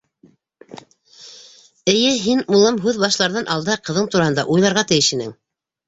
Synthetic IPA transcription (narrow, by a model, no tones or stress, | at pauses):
ɘ̆jɘɦinulˠɤmɦʉðbɑʃlˠɑɾðɑnʔɑlˠd̪ɑqɤ̆ðɤɴt̪uɾɑɦɤnd̪ɑ̰ʔujlˠɑɾʁɑt̪ɘ̆jɘʃĭnɘŋ